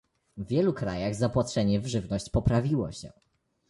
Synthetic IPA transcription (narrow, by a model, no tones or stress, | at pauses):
vʲjɛlukɾajaɣzapwatʂɛɲɛvʐɘvnɔɕt͡ɕpɔpɾavʲiwɔ̰ɕɛ̰